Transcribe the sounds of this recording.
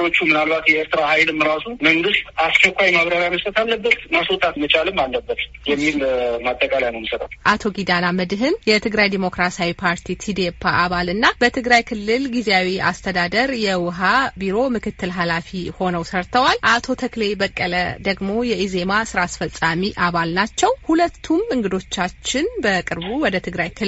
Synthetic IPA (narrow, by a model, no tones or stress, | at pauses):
o̞t͡ʃːumɨnalbat̪jɛeɾt̪ʰɨɾahajlɨmːɾasuməŋɡɨst̪askʰəkʷːajmaβɾaɾajməsət̪ʰalːəbːət̪masot̪ʰat̪mət͡ʃʰʼalɨmːalːəbːət̪ | jɛmːilmat̪ʼːəkʼalajnəwməsəɾa̰t̪ʔat̪ʰo̞ɡid̪anaməd̪ɦɨnjɛt̪ʰɨɡɾajd̪imo̞kɾasawipʰaɾt̪ʰit̪ʰid̪epʰːaʔaβalɨnːab̥ət̪ʰɨɡɾajkʰɨlːɨlɡizeawia̰st̪ʰəd̪ad̪əɾjɛwʊɦabiɾo̞mɨkɨt̪ʰːɨlɦalafiho̞nəwsəɾt̪ʰəwalʔat̪ʰo̞t̪ʰəkle̞bəkʼːələd̪əɡmo̞jɛʔize̞masɨɾaːsfəsʼamiʔaβalnat͡ʃːɛwhulət̪ʰːumɨŋɡɨd̪o̞t͡ʃːat͡ʃːɪnbəkʼɨɾbuwɔd̪ət̪ʰɨɡɾajkʰɨ